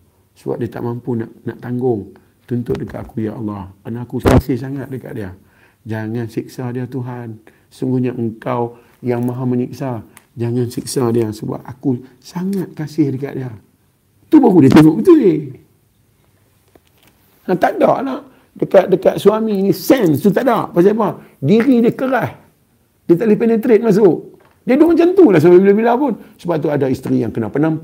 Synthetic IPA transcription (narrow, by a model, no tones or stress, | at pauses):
suwa̰ʔ̚diat̪a̰ʔmampunaʔnaʔt̪aŋɡʊŋ | t̪unt̪ʊt̪̚dəka̰ʔ̪akujaʔɑlːɑhanaakukasɪhs̬aŋat̪̚dəka̰ʔ̚dia | d͡ʒaŋansik̚sadiat̪uɦan | suŋɡuɲaəŋkaw | jaŋmaɦaməɲik̚sad͡ʒaŋansik̚sadiasəba̰p̚aku | saŋat̪̚kasɪhdəka̰ʔdia | t̪ubaɣudiat̪əŋoʔbət̪uɪ | at̪aʔdaʔlah | dəkaʔ̪̚dəkaʔ̪suaminisɛnst̪ut̪̬aʔdaʔpas̬aap̬a | diɾidiəkəɾah | diat̪aʔlɪhpenət̪ɾɪt̪̚mas̬ʊʔ | diadoŋt͡ʃant̪ulahs̬ababilabilapʊnsəbap̚t̪uadaist̪ɾijaŋkənapənamp